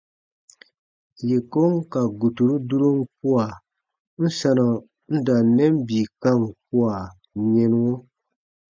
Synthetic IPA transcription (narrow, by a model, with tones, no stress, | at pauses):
je˨ko˦ŋka˨ɡu˨tu˨ɾu˦du˦ɾo˦ŋ˦p̚u˦a˨ | n̩˦sa˦na˨ | n̩˦da˨nɛ˦mbi˨ka˦ŋ˨p̚u˦a˨ | ɲe˦n˦wo˦